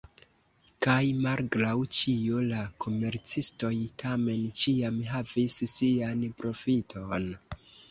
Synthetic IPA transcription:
kajmalɡɾawt͡ʃiolakʰo̞me̞ɾt͡sisto̞jtʰame̞nt͡ʃiamɦavissianpɾo̞fitʰo̞n

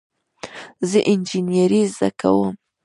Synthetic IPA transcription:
zəʔɪnd͡ʒinjaɾizd̪aka̰wəm

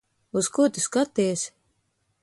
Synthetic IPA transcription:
uzkut̪ʲiskat̪ːijs

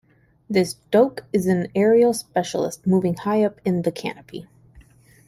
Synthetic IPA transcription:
ðɪsd̥oʊkɨzɨ̃nɛɹioʊspɛʃl̩ˠə̰st̚muvɪ̃ŋhaɪʌpɨ̃nðɨkʰæ̰nɨpʰḭ

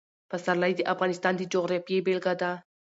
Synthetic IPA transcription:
pasaɾlajd̪əʔafɣɑnɪst̪ɑnd̪əd͡ʒoɣɾɑfjebelɡad̪a

